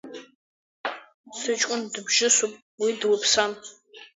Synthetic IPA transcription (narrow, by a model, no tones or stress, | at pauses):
sɨt͡ʃʼʊndɨbʒɪsupʼ | widwapʰsan